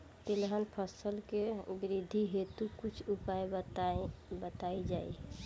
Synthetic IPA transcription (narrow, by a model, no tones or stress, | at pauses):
t̪ilɦənpʰəsəlkeɡɾid̪ʱiɦet̪ukut͡ʃʰupae | bət̪aid͡ʒai